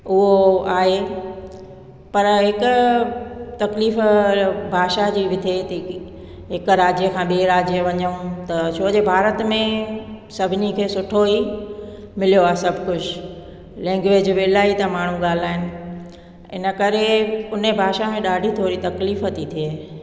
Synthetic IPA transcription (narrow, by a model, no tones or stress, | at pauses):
ʊɦoaːɦe | pɐɾɦɪkʊ | t̪ɐkliːfbʱaːʃad͡ʑiːʋɪt̪ʰet̪i | ɦɪkɾaːd͡ʑjəkʰãːɓiɾaːd͡ʑijəʋɐɲəũt̪ɐt͡ɕʰoːd͡ʑebʱaːɾət̪mẽ | sɐbʱɪnikʰeːsʊʈʰoi | mɪljoaːsɐbʱkʊd͡ʑʰ | lɛ̃ːŋɡʋeːd͡ʑʋeːɪlaːit̪ɐmaːɳ̤ũɠaːl̤aːɦɪnɪ̆ | ɪ̰nə̆kɐɾeʊnebʱaːʃamẽɗaːɖʱit̪ʰoːɾit̪ɐkliːfɦɐt̪ʰit̪ʰie